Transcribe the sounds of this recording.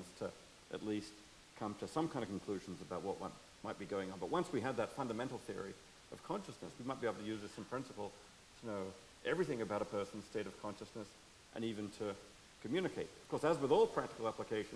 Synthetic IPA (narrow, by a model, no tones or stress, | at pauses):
nz̥tʰɨ | ʔɨ̰tˡlist | kʰʌ̃mtʰɨsʌ̃mkʰãɪ̃ndɨvkʰn̩kʰl̥ʉʒn̩zɨbaʊt̚wʌt̚wʌ̰̃n | maɪt̚b̥iɡoʊɪ̃ŋə̃nbʌt̚wʌ̃nswiɨd̪̚ðɨtfʌ̃ndɨmɛ̃ntˡl̩ˠθɪɹi | ʌv̥kʰɑ̃nʃɨsnɨ̰swimaɪt̚b̥ieɪbl̩ˠtʰɨjʉzðɨsʌ̃mpʰɹ̥ɪ̃nsəpl̩ˠ | tʰənoʊ | ʔɛvɹiθɪ̃ŋɨbaʊɾəpʰɜ˞sn̩z̥steɪɾʌv̥kʰɑ̃nʃɨsnɨs | ʔɨ̰̃nivɨ̃ntʰɨ | kʰɨmjʉnɨkʰeɪt̚ʌ̥kʰɔɹsəzwəðɔlˠpʰɹ̥æk̚tɨ̥kl̩ˠæpləkʰeɪʃ